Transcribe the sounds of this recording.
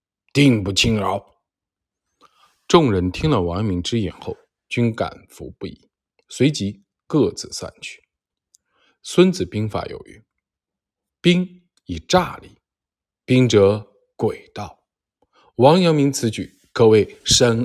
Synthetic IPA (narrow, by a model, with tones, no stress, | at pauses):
t̪i˥˧ŋpu˥˩t͡ɕʰi˥ŋə˧˥ | ʈ͡ʂʊ˥˩ŋɻə˧˥nt̪ʰi˥ŋlə˨wɑ˧˥ŋmi˧˥ŋʈ͡ʂɻ̩˥jɛ̰˨˩nxo˥˩ʊ | t͡ɕy˥nka̰˨˩nfṵ˧˥pu˥˩ḭ˧˨˩ | swe˧˥ɪt͡ɕi˧˥ | kɤ˥˧t͡sɹ̩˨˩sa̰˥˧nt͡ɕʰy̥˥˩ | swə˥nt͡sɹ̩˨˩pi˥ŋfa̰˧˩jo̰˨˩ʊy̰˥˩˦ | pi˥ŋ | i˨˩ʈ͡ʂa˥˧li˨˥˩ | pi˥ŋʈ͡ʂɤ˧˥ | kwe˨˩ɪt̪ɑ˥˩ʊ | wɑ˧˥ŋjɑ˧˥ŋmi˧˥ŋt͡sʰɹ̩˧˥t͡ɕy˨˩ | kʰɤ˧˩we˥˩ɪʂə˥n